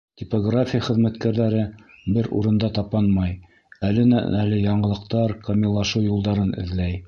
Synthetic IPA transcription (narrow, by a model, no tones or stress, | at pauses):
t̪ʲɪpoɡrafʲɪjaχɘ̆ðmæt̪kæɾðæɾɘbɘɾṵɾɤ̆nd̪ɑt̪ɑpɑnmɑj | ælɘnæ̰ælɘjɑɴɤ̆lˠɤ̆qt̪ɑɾkomʲilˠːɑʃɤwjulˠd̪ɑɾɤnɘ̰̆ðlæj